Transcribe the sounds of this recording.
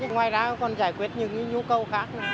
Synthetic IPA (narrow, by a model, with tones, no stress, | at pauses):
ɨ˨˦ŋwaː˨˩jzaː˧˦kɔ˨˩nzaː˧˩jkwi˦˥ət̚ɲɨ̰˧˩ŋɲɨ˨˦ɲu˧˦kə˨˧˩wxaː˦˥k̚nɨ˧˦